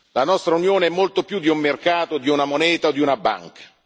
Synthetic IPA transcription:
lanɔst̪ɾaunjoːneɛmːolt̪opjud̪ːiumːerkaːt̪od̪iunamonɛːt̪aod̪ːiunabːa̰ŋkḁ

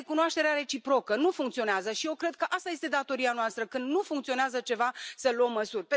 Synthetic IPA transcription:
kunoaʃt̪e̞ɾeaɾe̞t͡ʃipɾo̞kənufuŋkt̪sio̞neazəʃijewkɾe̞d̪̚kəʔast̪aje̞st̪e̞d̪at̪o̞ɾianoast̪ɾəkɨnd̪nufuŋkt̪sio̞neazət͡ʃe̞vasəluomːəsurʲpe

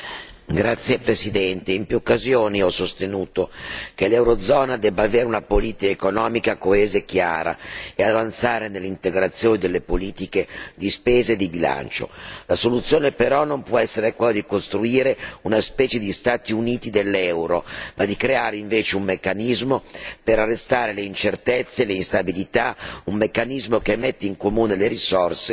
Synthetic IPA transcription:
ɡɾat̪sːjepɾesid̪ɛnt̪eimpjuːokːazjoːniɔsost̪enuːt̪ok̟elɛwɾod̪zɔːnad̪ɛbːaːveːɾeunapoliːt̪ikaekonɔːmikakoeːzekja̰ːɾa̰eavant̪saːɾenelːint̪eɡɾat̪sːjoːnid̪elːepoliːt̪iked̪ispeːzed̪ibila̰nt͡ʃo̰lasolut̪sːjoːnepeɾɔnompwɔɛsːeɾekwelːod̪ikost̪ɾuiːɾeunaspɛːt͡ʃed̪ist̪aːt̪iuniːt̪id̪elːɛwɾo̰mad̪ikɾeaːɾeiɱveːt͡ʃeummekːanizmopeɾarːest̪aːɾeleint͡ʃert̪et̪sːeleinst̪abilit̪aumːekːanizmokemːet̪ːeiŋkomuːneleɾisorse

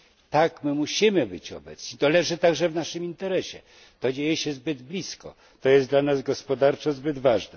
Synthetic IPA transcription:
t̪akmɘmuɕimɘbɘt͡ɕɔ̰bɛt̪sɲit̪ɔlɛʐɘt̪aɡʐɛvnaʂɘmint̪ɛɾɛɕɛ̰ | t̪ɔd͡ʑejɛɕɛzbɘd̪blʲiskɔ̰ | t̪ɔjɛsd̪lanazɡɔspɔd̪aɾt͡ʂɔzbɘd̪vaʐnɛ

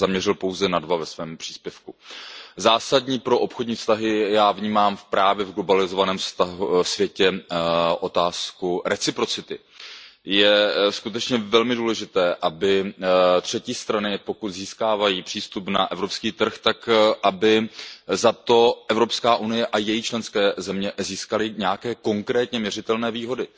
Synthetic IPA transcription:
zamɲɛrɪlpo̞wzɛnadvavɛsvɛːmpr̝̥iːspjɛfkuzaːsadɲiːpɾo̞ʔo̞pxodɲiːfst̪aɦɪjaːvɲiːmaːmfpɾʔaːvjɛvɡlo̞balɪzo̞vanɛːmfst̪aɦusvjɛcɛʔo̞t̪aːskuɾɛt͡sɪpɾo̞t͡sɪt̪ɪ | jɛskut̪ɛt͡ʃɲɛvɛlmɪduːlɛʒɪt̪ɛːʔabɪt̪r̥ɛciːst̪ɾanɪpo̞kut̪ziːskaːvajiːpr̝̥iːst̪upna̰ʔɛvɾo̞pskiːt̪r̩xt̪akʔabɪzat̪o̞ʔɛvɾo̞pskaːʔunɪjɛʔajɛjit͡ʃlɛnskɛːzɛmɲɛziːskalɪɲɛjakɛːko̞ŋkɾɛːt̪ɲɛmɲɛr̝ɪt̪ɛlnɛːviːɦo̞dɪ

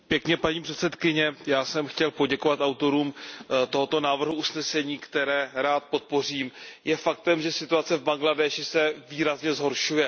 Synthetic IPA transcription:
pjɛkɲɛpaɲiːpr̝̥ɛt̪sɛt̪kɪɲɛjaːsɛmxcɛlpo̞ɟɛko̞vat̪awt̪o̞ɾuːmt̪o̞ɦo̞t̪o̞naːvr̩ɦuʔusnɛsɛɲiːkt̪ɛɾɛːɾaːt̪̚po̞t̪̚po̞r̝iːmjɛfak̚t̪ɛmʒɛsɪt̪uat͡sɛvbaŋɡladɛʃɪsɛviːɾazɲɛzɦo̞ɾʃujɛ

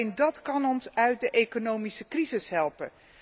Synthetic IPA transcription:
ndɑtkɑnɔnsœɥt̚dəʔejkonowmisəkrizɪsɦɛlˠpən

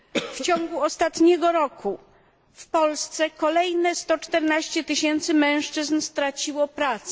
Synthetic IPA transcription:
ft͡ɕɔ̃ŋɡuɔst̪at̪ɲɛɡɔɾɔku | fpɔlst̪sɛkɔlɛjnɛst̪ɔt͡ʂt̪ɛɾnaɕt͡ɕɛt̪ɘɕɛnt̪sɘmɛ̃w̃ʂt͡ʂɘznst̪ɾat͡ɕiwɔpɾat̪sɛ

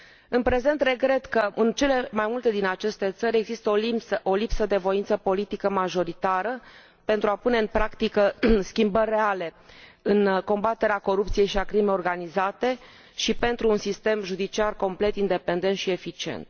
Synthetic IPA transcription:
ɨnpɾe̞ze̞nt̪re̞ɡɾe̞t̪kəʔɨnt͡ʃe̞le̞majmult̪e̞d̪inat͡ʃe̞st̪e̞t̪səɾʲe̞ɡzist̪əolisəʔolipsəd̪e̞vo̞int̪səpo̞lit̪ikəmaʒo̞ɾit̪aɾə | pe̞nt̪ɾuapune̞ɨnpɾakt̪ikəskʲimbərʲːeale̞ɨnko̞mbat̪eɾeako̞ɾup̚t̪sije̞jʃiakɾimeo̞rɡanizat̪e̞ | ʃipe̞nt̪ɾuːnsist̪e̞mʒud̪it͡ʃiarko̞mple̞t̪ind̪e̞pe̞nd̪ent̪ʃie̞fit͡ʃie̞̰nt̪

